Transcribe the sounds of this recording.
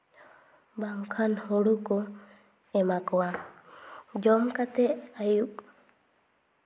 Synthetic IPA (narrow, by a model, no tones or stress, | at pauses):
baŋkʰanhɔɽukɔ | ɛmakɔwa | d͡ʒɔmkat̪ɛʔajuk̚